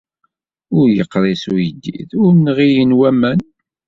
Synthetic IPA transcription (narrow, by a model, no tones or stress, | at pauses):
ʊɾjəqːɾˤesujəd̪ːḭðʊɾmnʁijənwæmæn